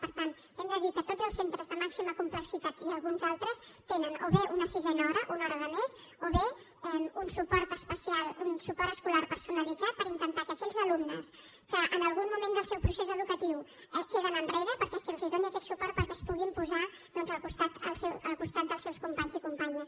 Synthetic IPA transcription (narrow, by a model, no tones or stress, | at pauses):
pəɾt̪an | ɛmd̪əðikət̪odd͡zzəlˠsent̪ɾəzðəmaksiməkumpləksit̪at̪iəlˠɣunzalˠt̪ɾəst̪enənoβeʔunəsizɛnəɔɾəʔunɔɾəðəmez | oβe | ɛunsupɔɾt̪əspəsialˠunsupɔɾt̪əskulaɾpəɾsunəlid͡zat̪̚pəɾint̪ənt̪akəkɛʎzəlumnəs | kəʔənəlˠɣunmumẽnd̪əlˠsɛwpɾusezəðukət̪iw | ɛkeðənənreɾəpəɾkɛsilˠziðoniəkɛt̪supɔɾt̪̚pəɾkɛspuɣimpuza | ðɔnzəlˠkust̪at̪əlˠsɛwəlˠkust̪at̪̚d̪əlˠsɛwskumpaɲzikumpaɲəs